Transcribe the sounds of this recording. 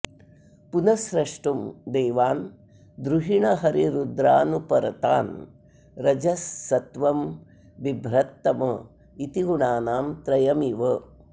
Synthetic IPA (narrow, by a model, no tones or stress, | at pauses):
punɐsɾɐʂʈumd̪eːʋaːn | d̪ɾuɦiɳɐɦɐɾiɾud̪ɾaːnupɐɾɐt̪aːn | ɾɐd͡ʒɐsːɐt̪ʋɐm | ʋibʱɾɐt̪ːɐmɐ | it̪iɡuɳaːnaːmt̪ɾɐjɐmiʋɐ